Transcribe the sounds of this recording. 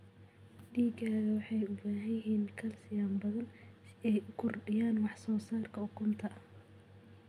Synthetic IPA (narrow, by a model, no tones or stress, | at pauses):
ɖiːɡaːɣɐwɑħɑjʊbaːɦɐjɪɦiːŋkʰɐlsɪjaːmbɐðɐnɛjʊkʰʊrɖɪjaːnwɑħsɔːsaːrkʰɐʊkʰʊmt̪ʰɐ